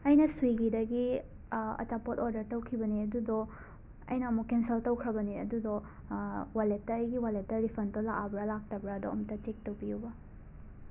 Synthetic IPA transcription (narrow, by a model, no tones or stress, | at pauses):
ɐjnɐsuiɡidɐɡi | ɐ̰t͡ʃapotoɾdɐɾtɐwkʰibɐniɐdudɔ | ɐ̰jnɐːmukːensɐltɐwkʰɾɐbɐniɐ̰dud̪ɔ | walet̚ːɐːjɡiwalet̚tɐɾipʰɐndolaʔabɾɐlak̚tɐbɾaɐd̪oɐmɐtɐtek̚tɐwpijubɐ